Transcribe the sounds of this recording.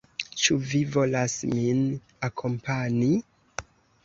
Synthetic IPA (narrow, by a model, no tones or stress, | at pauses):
t͡ʃuvivo̞lasmin | akʰo̞mpani